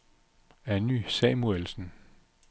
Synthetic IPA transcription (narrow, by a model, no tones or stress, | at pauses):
ænysɛmuelsn̩